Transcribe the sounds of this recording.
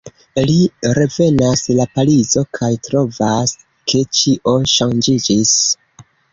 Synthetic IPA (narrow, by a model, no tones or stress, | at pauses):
liɾe̞ve̞naslapalizo̞kʰajtɾo̞vas | kʰe̞t͡ʃiʔo̞ʃand͡ʒid͡ʒis